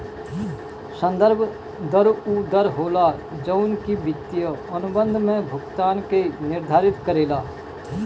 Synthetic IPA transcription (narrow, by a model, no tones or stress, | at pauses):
sə̃nd̪əɾbʱ | d̪əɾud̪əɾɦoːlad͡ʒəʊnkibɪt̪ːijəənʊbə̃nd̪ʱmẽbʱʊɡt̪aːnkenɪɾd̪ʱaːɾɪt̪kəɾeːlaː